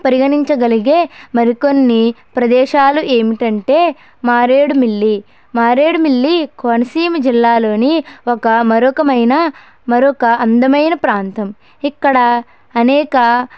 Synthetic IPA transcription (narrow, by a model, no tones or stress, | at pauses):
pɐɾiɡɐniɲt͡ʃɐɡɐliɡeːmɐɾikonːipɾɐd̪ɛːʃaːluʔeːmiʈɐɳʈe̞ː | maːɾeːɽumiɭːi | maːɾeːɽumilːikoːnɐsiːmɐd͡ʒilːaːlo̞ːniɔkɐmɐɾokɐmɐjnɐ | mɐɾokɐɐnd̪ɐmɐjnɐpɾaːnt̪ɐm | ikːɐɽɐː | nɛːkɐ